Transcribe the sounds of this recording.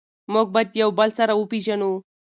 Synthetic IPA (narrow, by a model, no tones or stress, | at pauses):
mok̚bat̪̚jawbəlsaɾaupid͡ʒanu